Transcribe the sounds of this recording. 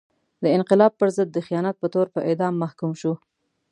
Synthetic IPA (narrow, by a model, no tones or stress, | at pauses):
d̪əɪnqɪlɑb̚pəɾzəd̪ːəxijɑnat̪̚pət̪oɾpəʔed̪ɑmːahkumʃu